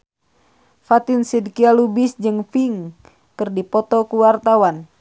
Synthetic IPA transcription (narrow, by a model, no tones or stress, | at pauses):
fat̪insidkialubisd͡ʒɨŋfiŋ | kɨrdipɔt̪ɔkuwart̪awan